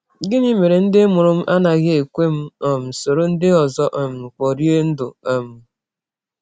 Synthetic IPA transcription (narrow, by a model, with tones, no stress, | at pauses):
ɡɪ˦ni˦me˨ɾe˨n̩˦dɪ˦mʊ˨ɾʊ˦m̩˦ʔa˦na˨ɣɪ˦e˨kʷe˦m̩˦ɔ˨m̩˨so˨ɾo˦n̩˦dɪ˦ɔ˨zɔ˦ʔɔ˨m̩˨k͡pɔ˨ɾje˦n̩˦dʊ˨ɔ˨m̩˨